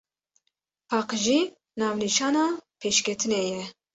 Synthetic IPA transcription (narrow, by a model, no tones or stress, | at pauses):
pʰɑːqʒiː | nɑːvniʃɑːnɑːpʰeːʃkʲʰɛt̪ʰɨnɛjɛ